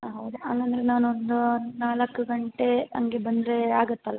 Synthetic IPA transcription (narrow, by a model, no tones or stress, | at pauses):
ɦɐwd̪uɐŋɡɐnd̪ɐɾenaːnuond̪unaːlɐkːuɡɐɳʈe̞ɐ̰ŋɡebɐnd̪ɾeaːɡɐt̪ːɐlːa